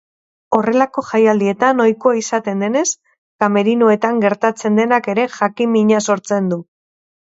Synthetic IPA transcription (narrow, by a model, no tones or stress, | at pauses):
o̞re̞lako̞ʝajald̪ie̞t̪anojkoaisat̪e̞nd̪e̞ne̞s | kame̞ɾinoe̞t̪aŋɡe̞ɾt̪at͡se̞nd̪e̞nake̞ɾe̞ʝakimiɲaso̞ɾt͡se̞nd̪u